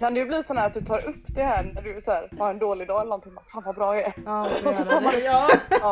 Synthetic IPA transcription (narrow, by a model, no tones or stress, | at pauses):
kʰand̪ɛjɵbliːsɔnhæːɾat̪̚d̪ɵt̪ʰɑːɾʔɵpːd̪ɛhɛnæɖɵsɔhæːɾvaɛnd̪oːlɪd̪ɑːɛlənɔnt̪ɪŋːbafaːnvabɾɑːɛɛɾɔsɔt̪ʰɑːɾmanɛː